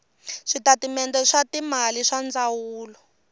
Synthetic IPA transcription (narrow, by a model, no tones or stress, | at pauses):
ʂitatimɛndɛʂatimaliʂand͡zawuːlɔ